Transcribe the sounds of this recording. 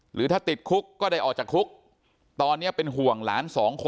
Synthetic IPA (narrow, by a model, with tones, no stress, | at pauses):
ɾɯː˨˦t̪ʰaː˥˩t̪i˨˩t̪̚kʰu˦˥kːɔː˥˩da˥˩jʔɔː˨˩k̚t͡ɕaː˨˩kʰu˦˥k̚ | t̪ɔː˧nːi˦˥ɐpe˧nɦu˨˩əŋlaː˩˦˥nsɔː˩˦ŋkʰo˧